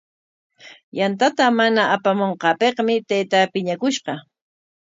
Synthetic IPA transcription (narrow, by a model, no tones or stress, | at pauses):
jant̪at̪amanaːpamoɴqɑːpeqmɪt̪ajt̪apɪɲakʊʃɢɑ